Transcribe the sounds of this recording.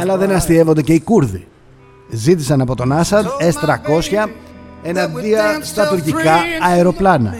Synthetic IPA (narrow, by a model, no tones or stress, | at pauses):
ɐlɐðe̞nɐst̪ie̞vo̞nd̪ece̞ikuɾðḭ | zit̪isɐnɐpo̞t̪o̞nɐsɐnd̪est̪ɾɐko̞sçɐe̞nɐnd̪iɐst̪ɐt̪uɾcikɐːeɾo̞plɐnɐ̰